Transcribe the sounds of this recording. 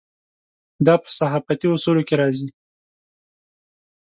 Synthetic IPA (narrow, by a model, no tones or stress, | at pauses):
d̪ɑpə̥saɦɑfat̪iosulokeɾɑzi